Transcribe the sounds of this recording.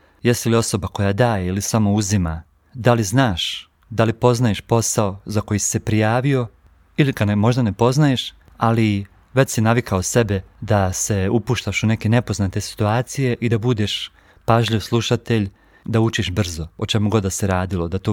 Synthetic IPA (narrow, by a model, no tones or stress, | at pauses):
jest̪ilio̞so̞bako̞jad̪aːjeilisamo̞uzima̰ | d̪aliznaːʃ | d̪alipo̞znajeʃpo̞sao̞zako̞jisi̥se̞pɾijaːʋio̞ | iliɡanemo̞ʒd̪ane̞po̞znajeʃ | ali | ʋe̞t͡ɕʲsinaʋikʰaose̞be̞d̪ase̞upuːʃt̪aʃune̞ke̞ne̞po̞znaːt̪e̞si̥t̪uaːt̪sije̞ʔid̪abud̪eʃ | paʒʎiʋslˠuʃat̪e̞ʎ | d̪aut͡ʃiʃbr̩zo̞ot͡ʃe̞muɡo̞d̪aseɾaːd̪ilo̞d̪at̪o